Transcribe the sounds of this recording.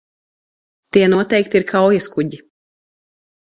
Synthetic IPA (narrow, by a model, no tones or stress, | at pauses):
t̪iɛnuɔt̪ɛjkt̪iɾkʰawjaskuɟi